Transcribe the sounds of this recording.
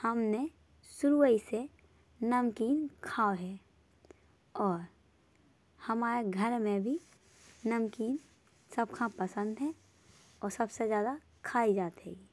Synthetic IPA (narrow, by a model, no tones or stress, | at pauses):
hɐmne | sʊɾuəise | nəmkiːnkʰaːɦɛː | ɔːɾ | hɐmaːɾeɡʱəɾmẽbʱi | nəmkiːn | səbkʰãpəsə̃nd̪ɦɛ̃ | ɔːɾsɐbsezjaːd̪a | kʰaːid͡ʒaːt̪ɦɛ̰ːɡiː